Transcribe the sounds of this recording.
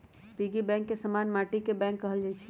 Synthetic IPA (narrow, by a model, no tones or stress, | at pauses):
piɡibɛ̃ŋkːesəmanmaʈikebɛ̃ŋkːəɦəld͡ʒat͡ʃʰi̥